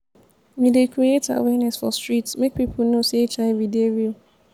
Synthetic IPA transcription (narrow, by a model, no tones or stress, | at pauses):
mĩdekʰɹieta̰wɛnɛsfɔstɹitsmek̚pipʰl̩noseet͡ʃãɪ̃videovi